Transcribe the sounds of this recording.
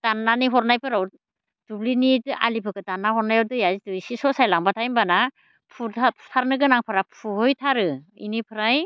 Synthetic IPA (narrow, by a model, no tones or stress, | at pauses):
tanːaniɦɔɾnajpʰɯɾaw | dublinitɯʔa̰lipʰɯkɯtanːahɔɾnajawtɯjazitɯjsisɔsajlaŋbatʰajmbana | pʰutʰatʰaɾnɯɡɯnaŋpʰaɾapʰuhɯjtʰaɾɯḭnipʰɯɾaj